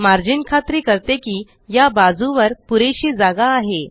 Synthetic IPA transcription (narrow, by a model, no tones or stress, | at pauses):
maɾd͡ʑinkʰat̪ɾiːkəɾt̪ekiː | jabad͡zũʋəɾpuɾeɕiːd͡zaɡaːɦe